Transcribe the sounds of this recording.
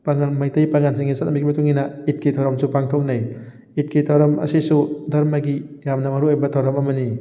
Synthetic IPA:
paŋanmajtajpaŋansiŋisat̚nambikibatuŋinait̚kidʰʱawɾɔmsupaŋtʰɔk̚naj | it̚kitʰawɾɔmɐ̰sisudɐɾmaɡijamnɐmaɾuojbɐtʰawɾɔmɐmɐni

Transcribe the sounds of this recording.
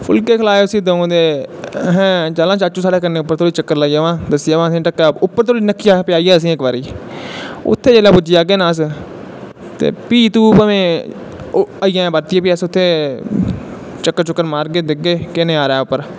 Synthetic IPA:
pʰʊlkeːkʰəlaːeʊsĩːd̪õːd̪eːɦɛ̃ːt͡ʃaːlãːt͡ʃaːt͡ʃũːsaːɽeːkəneːʊpːəɾt̪ʰoːiːt͡ʃəkːəɾlaːijaːʋãːd̪əsɪjaːʋãːsĩːʈəkːaːʊpːəɾt̪ʰoːɽinəkːɪjaːpɪjaːiːaːəs̬ĩːɪkbaːɾḭː | ʊ̰t̪ʰːeːd͡ʒeːlaːpʊd͡ʒɪjaːɡeːnãːs̬ | t̪ḛːpiːt̪ũːpəʋẽː | aijãːbəɾt̪ɪjãːpiːaːsʊt̪ʰːeː | t͡ʃəkːəɾt͡ʃʊkːəɾmaːɾɡeːd̪ɪɡeːkɪneːaːɾɛːʊpːəɾ

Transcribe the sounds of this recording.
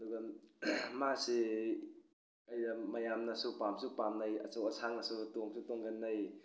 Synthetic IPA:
ɐduɡɐ | masi | ɐjdamɐjamnɐsupamsupamnajɐ̰t͡ʃawɐsʰaŋɐsutoŋsutoŋɡanːaj

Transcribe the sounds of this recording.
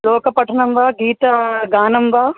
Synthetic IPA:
loːkpɐʈʰənɐmbʱaːɡiːt̪ɐɡaːnɐmbʱaː

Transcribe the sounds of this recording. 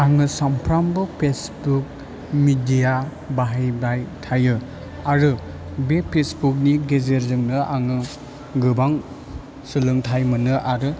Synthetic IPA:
aŋɯsampʰɾambɯpʰesbuk̚ | midija | baɦajbɾajtʰajɯ | aɾɯ | bepʰesbuk̬̚niɡezeɾzɯŋnɯʔaŋɯ | ɡɯbaŋ | sɯlɯŋtʰajmɯnɯʔaɾɯ

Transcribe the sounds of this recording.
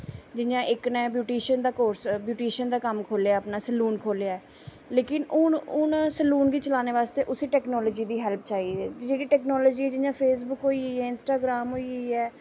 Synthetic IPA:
d͡ʒɪjãːʔɪknɛ̃ːbjuːʈiːʃənd̪aːkoːɾsbjuːʈiːʃənd̪aːkəmkʰoːlaːəpnaːsəluːnkʰoːleaːɛː | leːkɪnʊnʊnsəluːnɡiːt͡ʃəlaːneːʋaːst̪eːʔʊsiːʈɛːknɔːlɔːd͡ʒiːd̪iːɦɛlp̚ʰt͡ʃaːiːɛːd͡ʒeːɽiːʈɛːknɔːlɔːd͡ʒiːɛːd͡ʒɪjãːpʰeːsbʊkɦoːiːɛːɪnsʈaːɡɾaːmɦoːiiːɛː

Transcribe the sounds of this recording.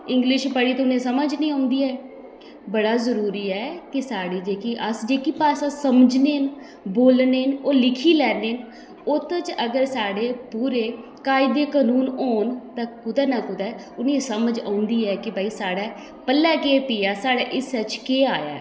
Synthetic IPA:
ɪ̃ŋɡlɪʃpəɽiːt̪ʊnẽːsəməd͡ʒnĩːãːʊnd̪iːɛː | bəɽaːzəɾuːɾiːɛːkɪsaːɽiːd͡ʒeːkiːʔəsd͡ʒeːkiːpaːsãːsəməd͡ʒneːn | boːlneːnoːlɪkʰiːlɛːneːn | ʊt̪t͡ʃəɡəɾsaːɽeːpuːɾeː | kaːɪd̪eːkaːnuːnoːnt̪ãːkʊd̪ɛːnakʊd̪ɛː | ʊnẽːsəməd͡ʒã̰ːʊnd̪iːɛːkɪbaːiːsaːɽaː | pəlːɛːkeːpiːaːsaːɽaːʔɪsɛt͡ʃkeːaːja̰ː

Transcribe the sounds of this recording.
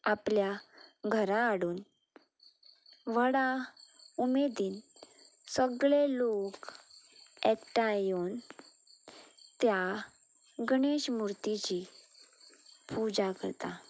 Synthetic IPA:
apljaɡʱəɾãːɽuːn | ʋəɽaumed̪iːn | səɡɭelok | ɛʈajon | t̪ja | ɡɳeɕmuɾt̪it͡ɕi | pud͡zakəɾt̪a

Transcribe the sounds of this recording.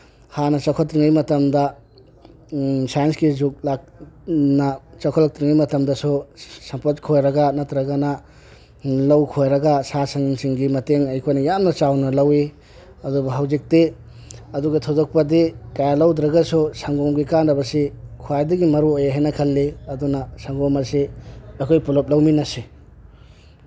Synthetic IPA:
hanɐt͡ʃɐkʰɔtːɾiŋijmɐtɐmdɐ | sajɐnskizuk̚lak̚nɐt͡ʃɐkʰɔlɐk̚tɾiŋijmɐtɐmdɐsusɐmpot̚kʰojɾɐɡɐnɐt̪ɾɐɡanɐ | lɐwkʰojɾɐɡasasɐŋŋsiŋɡimɐteŋɐjkʰojnɐjamnɐt͡ʃawnɐlɐwi | ɐdubɐɦawzik̚te | ɐduɡɐtʰod͡ʒɔk̚pɐdikajalɐwdɾɐɡasusaŋɡɔmɡikanɾɐbɐsikʰuajdɐɡimɐɾuojaɦajnɐkʰɐlːeɐdunɐsaŋɡɔmɐsiɐkʰojpɔlop̚lɐwminɐse

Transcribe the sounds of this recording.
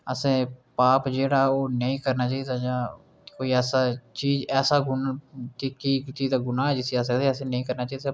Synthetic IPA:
əsẽːpaːpd͡ʒeːɽaːoːnəĩːkəɾnaːt͡ʃaːiːd̪aːd͡ʒãː | koːiːɛːsaːt͡ʃiːd͡ʒɛːsaːɡʊntekiːt̪iːd̪aːɡʊnãːɛːd͡ʒɪsiːaːs̬əkd̪eːəsẽːnəĩːkəɾnaːt͡ʃaːiːd̪a

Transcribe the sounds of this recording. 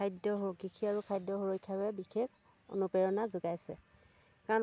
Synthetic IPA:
ajdɔɦoɡikʰiaɹukʰajdːɔɦoɹojkʰawɛbixʰekʰ | o̰nupɛɹɔnazʊɡajsɛ̰ | kaɔ

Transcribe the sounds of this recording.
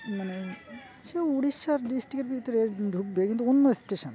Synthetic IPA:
mane | ʃeouɽiʃːaɾɖisʈɾikeɾbʱit̪oɾeɖʱukbekint̪uunːoesʈeʃon

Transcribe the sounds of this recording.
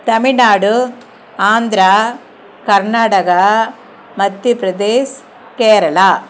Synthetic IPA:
t̪ɐminaːɽu | aːnd̪ɾa | kɐɾnaːʈɐɡɐ | mɐd̪jupɾɐd̪eːs | keːɾɐɭaː

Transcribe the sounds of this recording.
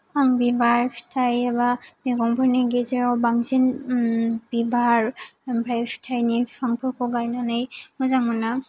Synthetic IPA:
aŋbibaɹpʰi̥tʰajabameɡɔŋpʰɔɹniɡezeɹawbaŋzin | bibaɹmbʰɾajpʰi̥tʰajnipʰaŋpʰɔɹkʰɔɡajnanɯjmɯzaŋɯna

